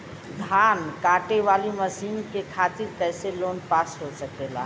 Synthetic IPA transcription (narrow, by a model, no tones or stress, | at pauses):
d̪ʱankaʈeʋaliməsimkekʰat̪iɾkəjselonpasɦosəkela̰